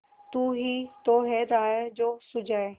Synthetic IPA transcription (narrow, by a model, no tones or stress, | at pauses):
t̪uːɦit̪oːɦeːd̪aːɦed͡ʑoːsʊd͡ʒʱaːe